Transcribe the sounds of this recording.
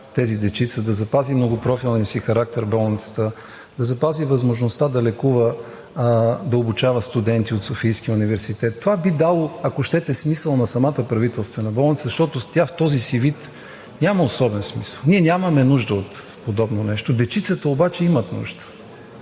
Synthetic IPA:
t̪ɛzid̪ɛt͡ʃit̪səd̪ɐzɐpazimnoɡʊpɾɔfilˠnisixɐɾak̚t̪ɛɾbɔlˠnit̪sə̥t̪ə | d̪ɐzɐpazivɐzmoʒnost̪ad̪ɐlɛkuvə | d̪ɐobut͡ʃavəst̪ud̪ɛnt̪iot̪sofijsk̟iunivɛɾsit̪ɛt̪ːovabid̪alˠoɐkoʃt̪ɛt̪ɛsmisəlˠnɐsɐmat̪əpɾɐvit̪ɛlˠst̪vɛnɐbɔlˠnit̪szɐʃt̪ɔt̪ʊt̪ʲaft̪ɔzisivit̪ | nʲaməosɔbɛnsmisəlˠniɛnʲaməmɛnuʒd̪əot̪ | pod̪ɔbnonɛʃt̪od̪ɛt͡ʃit̪sət̪əobat͡ʃɛimət̪nṵʒd̪ə̥

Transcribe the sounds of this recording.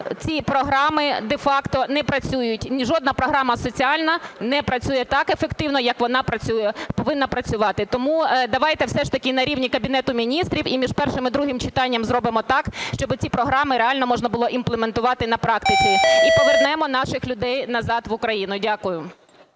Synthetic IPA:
t͡sʲipɾɔɦɾɑmɪd̪efɑkt̪ɔnɛpɾɐt͡sʲujʊtʲnʲiʒɔd̪nɐpɾɔɦɾɑmɐsɔt͡sʲiɑlʲnɐnɛpɾɐt͡sʲujɛt̪ɑkefekt̪ɪwnɔjɐkʋɔnɑpɾɐt͡sʲujɛpɔʋɪnːɐpɾɐt͡sʲʊʋɑt̪ɪt̪ɔmud̪ɐʋɑjt̪ɛwsɛʃt̪ɐkʲɪnɐɾʲiwnʲikɐbʲinɛt̪ʊmʲinʲist̪ɾʲiwimʲiʒpɛrʃɪmɪd̪ɾuɦɪmt͡ʃɪt̪ɑnʲːɐmzɾɔbɪmɔt̪ɑkʃt͡ʃɔbɪt͡sʲipɾɔɦɾɑmɪɾeɑlʲnɔmɔʒnɐbʊlˠɔʔimplˠement̪ʊʋɑt̪ɪnɐpɾɑkt̪ɪt͡sʲiipɔʋernɛmɔnɑʃɪxlʲʊd̪ɛjnɐzɑd̪ʋʊkɾɐjinʊdʲakʊjʊ

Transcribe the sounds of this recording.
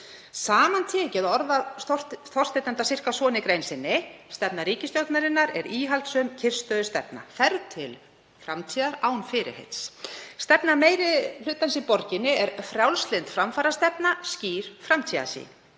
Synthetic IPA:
saːmant̪ʰɛːcɪðaɔɾðḁ | θɔr̥t̪ejt̪ant̪asɪr̥kasɔːnɪkɾejnsɪnːɪst̪ɛp̚naɾiːcɪst̪jowt̪naɾɪnːaɾɛɾiːɦalt̪sœmcʰɪr̥st̪œːðʏst̪ɛpna̰θɛɾt̪ʰɪl | fɾa̰mt̪ʰiːðaɾaːwnfɪːɾɪ̰hḛjt̪sst̪ɛpnameːjɾɪl̥ʏt̪ːansipɔɾcɪnːɪɛɾ̥fɾjawlst̪lent̪fɾamfaːɾast̪ɛpnasciːɾ̥fɾamt̪ʰiːða̰sḭːn

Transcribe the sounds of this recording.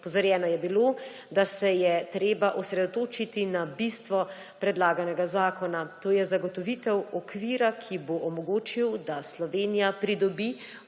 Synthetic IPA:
pɔzaɾjɛːnɔjɛbiloː | d̪asɛjɛt̪ɾeːbaʔɔsɾɛd̪ɔt̪oːt͡ʃit̪inabist̪ʋɔ | pɾɛd̪laːɡanɛɡazaːkɔnat̪oːjɛzaɡɔt̪ɔʋit̪ɛwɔkʋiːɾakʰiboʔɔmɔɡoːt͡ʃiwd̪aslɔʋeːnijapɾid̪ɔbi

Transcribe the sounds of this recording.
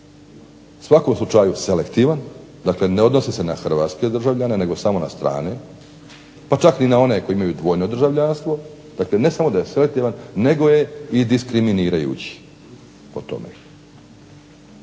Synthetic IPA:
usʋako̞mslˠut͡ʃajuse̞le̞kt̪iʋan | d̪akle̞ne̞o̞d̪no̞sise̞naxr̩ʋat̪ske̞d̪r̩ʒaʋʎanene̞ɡo̞samo̞na̰st̪ɾa̰ːne | pat͡ʃakninao̞ne̞kojimajud̪ʋo̞ːjno̞d̪r̩ʒaʋʎanst̪ʋo̞ | d̪akle̞ne̞samo̞d̪ajesele̞k̚t̪iːʋanːe̞ɡo̞je̞id̪iskɾiminiːɾajṵːt͡ɕi̥ | o̰t̪o̰mḛ

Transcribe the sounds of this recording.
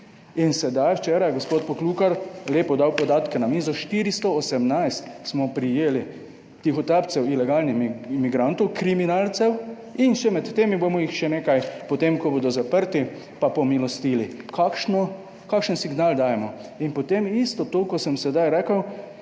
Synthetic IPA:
insɛd̪ajwt͡ʃɛːɾajɛɡospoːt̪̚pɔkluːkaɾleːpɔd̪awpɔd̪aːt̪kɛnamiːzɔʃt̪iɾist̪ɔɔsɛmnajst̪smɔpɾijeːli | t̪ixɔt̪ap̪sɛwilɛɡaːlnixmmiɡɾant̪ɔwkɾiminalt̪sɛw | inʃɛmɛt̪ːeːmibomɔixʃɛneːkajpɔt̪emkɔboːd̪ɔzapəɾt̪i | papɔmilɔst̪iːlikakʃnɔ | kaːkʃənsiɡnaːld̪aːjɛmɔinpɔt̪emist̪ɔt̪oːkɔsəmsɛd̪ajɾɛːkəw

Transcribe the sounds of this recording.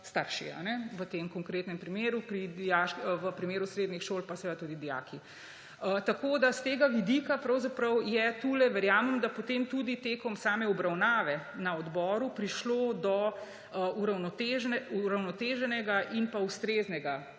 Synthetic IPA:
st̪aɾʃḭa̰nɛʋət̪eːmkɔŋkɾeːt̪nɛmpɾimeːɾupɾid̪ijaʃkʋəpɾimeːɾusɾeːd̪nixʃolpasɛd̪at̪ud̪id̪ija̰ːkʰi | ət̪akod̪ast̪eːɡaʋid̪ikapɾɐwzapɾɐwjɛt̪ulɛʋɛɾjaːmɛmd̪apɔt̪eːmt̪ud̪it̪eːkɔmsaːmɛɔbɾawnaːʋɛnaɔd̪bɔːɾupɾiʃlod̪ɔ | uɾawnɔt̪eʒuɾawnɔt̪eːʒɛnɛɡaʔinpaust̪ɾeːznɛɡa

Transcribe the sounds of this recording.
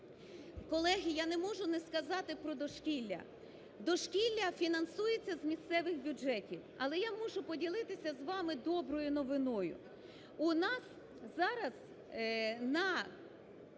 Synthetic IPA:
kɔlˠɛɦʲijanɛmɔʒʊnɛskɐzɑt̪ɪpɾɔd̪ɔʃkʲilʲːɐ̰ | d̪ɔʃkʲilʲːɐfʲinɐnsujet͡sʲːɐzmʲist̪sɛʋɪxbʲʊd͡ʒɛtʲiwɐlˠɛjamɔʒʊpɔdʲilˠɪt̪ɪsʲɐzʋɑmɪd̪ɔbɾɔjʊnɔʋɪnɔjʊ̰ | ʊnɑs | zɑɾɐz | nɐ

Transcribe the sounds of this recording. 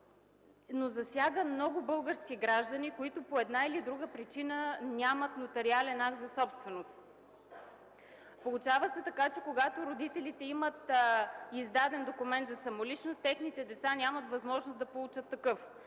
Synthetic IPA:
nozɐsʲjaɡəmnɔɡʊbɤlˠɡəɾskʲiɡɾaʒd̪ənikoit̪ʊpoɛd̪nailid̪ɾuɡəpɾit͡ʃinənʲamət̪not̪ɐɾialɛnak̚t̪zɐsɔpst̪vɛnost̪ | polˠut͡ʃavəsɛt̪ɐkat͡ʃɛkoɡat̪oɾod̪it̪ɛlit̪ɛimət̪ | izd̪ad̪ɛnd̪okʊmɛnt̪zɐsɐmolit͡ʃnost̪ːɛxnit̪ɛd̪ɛt̪sanʲamət̪vɐzmɔʒnosd̪ɐpolˠut͡ʃət̪ːɐkɤf

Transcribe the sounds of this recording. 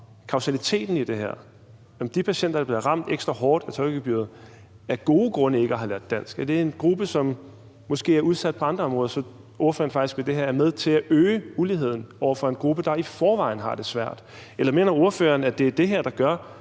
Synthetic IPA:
kʰɑ̈ʊsælit͡sʰe̝̰ːd̥n̩id̥e̝ɦæɐ̰ | ɒ̽md̥ipʰæɕen̰d̥ɐd̥ɑ̈b̥le̝ðˠʁɑ̈m̰d̥eɡ̥sd̥ʁɑɦɒːd̥æt͡sʰɒ̽ɪɡ̥b̥yɐ̰ð̞̩ˠ | æɐɡ̥o̝ːɡ̥ʁɔ̽nəe̝ɡ̥əæɦɑ̈læɐd̥æn̰sɡ̥æld̥e̝æɐe̝nɡ̥ʁub̥əsɒ̽mː | ɒ̽sɡ̥e̝̰ːæɐuð̞ˠsæd̥̚pʰɒ̽ɑ̈nd̥ʁɐɒ̽mʁɔ̽ðˠɐsɒ̽ | o̝ɐfø̰ɐnfɑ̈ɡ̥isɡ̥ʋed̥e̝ɦæɐ̰æɐmeð̞ˠt͡sʰe̝læʔøːuliɦe̝ð̞̰ˠn̩ɒʊ̰ɐfɒ̽e̝nɡ̥ʁub̥əd̥ɑ̈ifɒːʋɑ̈ɪn̩ɦɑ̈d̥e̝sʋæɐ̰d̥elɐme̝ːnɐo̝ɐfø̰ɐnæd̥e̝æd̥e̝ɦæɐ̰d̥ɑ̈ɡ̥ɶɐ̰

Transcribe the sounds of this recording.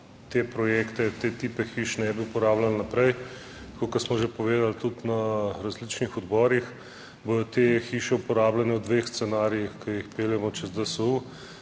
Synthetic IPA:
t̪epɾɔjekt̪ɛt̪et̪iːpɛxiːʃnɛbiupɔɾaːblalnɐpɾɛj | t̪kokɐɾsmɔʒepɔʋeːd̪alt̪ut̪nɐɾazlit͡ʃnixɔd̪bɔːɾix | boɔt̪exiːʃɛupɔɾaːblanɛwd̪ʋeːxst̪sɛnaːɾiixkɐjixpeːljɛmɔt͡ʃɛzd̪əsəu

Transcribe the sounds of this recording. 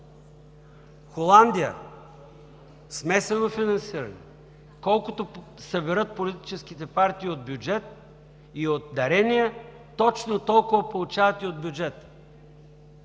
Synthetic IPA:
xolˠand̪ijə̰ | smɛsɛnofinɐnsiɾɐ̰nḭ | kɔlˠkot̪o | səbɛɾɤt̪̚polit̪i̥t͡ʃɛskit̪ɛpaɾt̪iːod̪̚bjud͡ʒɛt̪̚ | iot̪̚d̪ɐɾɛnʲiə | t̪ɔt͡ʃnot̪ɔlˠkʊvɐpolˠʊt͡ʃavɐt̪iod̪bʲjud͡ʒɛt̪ə̥

